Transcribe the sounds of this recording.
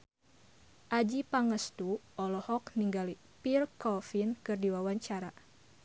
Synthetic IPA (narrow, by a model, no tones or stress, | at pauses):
ʔad͡ʒipaŋəst̪u | ɔlɔhɔkniŋɡali | pirkɔfinkɨrdiwawaɲt͡ʃaɾa